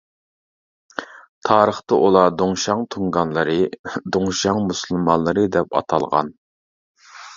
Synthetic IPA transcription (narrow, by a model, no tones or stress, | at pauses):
t̪ʰɑːɾəχt̪ɑʔulˠɑd̪oŋʃɑŋt̪ʰuŋɡɑnlˠɨɾɨd̪oŋʃɑŋmusulˠmɑnlˠɨɾɨd̪ɛpɑ̰t̪ʰɑ̰lˠʁɑ̰n